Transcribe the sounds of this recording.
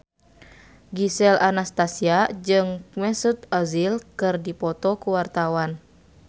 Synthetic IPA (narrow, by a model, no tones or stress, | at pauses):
ɡisɛlanast̪asiad͡ʒɨŋmɛsut̪azilkɨrdipɔt̪ɔkuwart̪awan